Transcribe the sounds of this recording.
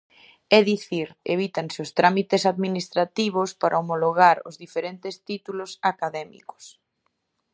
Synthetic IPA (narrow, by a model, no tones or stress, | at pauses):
ɛðiθiɾḛβ̞it̪aŋseost̪ɾamit̪esaðminist̪ɾat̪iβ̞ospaɾʔaomoloɣaɾʊ̰zðifeɾent̪est̪it̪ulosakaðɛmḭko̥s